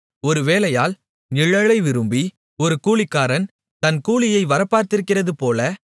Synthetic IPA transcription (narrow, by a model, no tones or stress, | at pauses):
ɔɾɯʋeːlɐjaːl | nɪɻɐɭɐɪʋɪɾɯmbi | ɔɾɯkuːɭɪkːaːɾɐn | t̪ɐnkuːɭɪjɐɪʋɐɾɐpːaːɾt̪ɪɾɯkːɪrɐðɯpoːlɐ